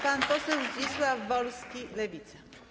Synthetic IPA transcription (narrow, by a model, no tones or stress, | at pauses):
sant̪ɔsɨwt͡ɕiswavːɔlskʲilɛvʲit̪sɛ̥